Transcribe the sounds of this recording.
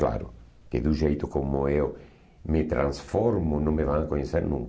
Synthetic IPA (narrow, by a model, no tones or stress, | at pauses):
la̰ɾʊ̰ | kɪd̪uʒejt̪ʊkomʊew | mɪt̪ɾã̰nsfɔɾmʊnõŋmevaŋakoɲeseɾnũŋk